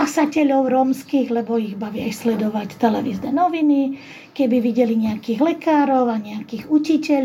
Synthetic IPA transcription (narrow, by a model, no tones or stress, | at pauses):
asacɛʎɔʊɾɔmskiːɣlɛbɔiɣbaʋiajslɛd̪ɔʋact̪ɛlɛʋiːznɛnɔʋini | kɛbiʋiɟɛliɲɛakiːɣlɛkaːɾɔʊaɲɛakiːɣucicɛʎ